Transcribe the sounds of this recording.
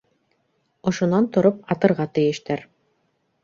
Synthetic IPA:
ŏʃŏnɑnt̪ŏɾop̚ɑt̪ɤ̆ɾʁɑt̪ɘ̆jɘ̆ʃt̪æɾ

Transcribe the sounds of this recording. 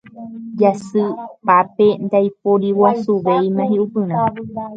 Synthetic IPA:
d͡ʒasɨpape̞nd̪ajpoɾiwasuʋejmãɦiʔupɨ̃ɾ̃ã

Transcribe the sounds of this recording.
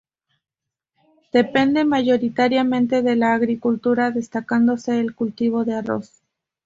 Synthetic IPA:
d̪̥e̞pe̞nd̪e̞maʝo̞ɾit̪aɾjamẽ̞nt̪e̞ðe̞laːɣɾikult̪uɾaðe̞st̪akand̪o̞se̞ːlkult̪iβ̞o̞ðearo̞̰s

